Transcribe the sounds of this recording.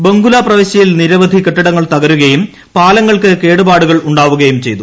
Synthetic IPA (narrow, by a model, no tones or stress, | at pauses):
beŋɡulɐprɐʋeɕjɐjilniɾɐʋɐd̪ʱikeʈːɐɽɐŋːɐɭt̪ɐɣɐɾuɣɐjum | paːlɐŋːɐɭkɨke̞ːɽubaːɽuɣɐɭuɳɖaːʋuɣɐjumt͡ɕe̞jt̪u